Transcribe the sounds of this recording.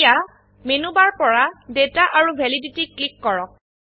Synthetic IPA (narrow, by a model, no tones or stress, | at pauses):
ja | menubaɹpɔɹadetaʔaɹubʱeliditiklikːɔɹɔk̚